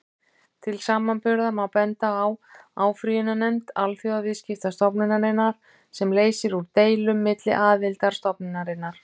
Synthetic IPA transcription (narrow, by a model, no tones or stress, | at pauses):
t̪ʰɪlsaːmanpʏɾðamawpɛnt̪aːwaːwfɾijʏnanɛmt̪alfjɔwaviscɪft̪ast̪ɔpnɪnaɾɪnːaɾ̥ | sɛmleːjsɪɾuɾt̪eːjlʏmːɪt̪lɪ̰ʔaːðvɪlt̪aɾ̥st̪ɔpnɪnaɾɪnːaɾ̥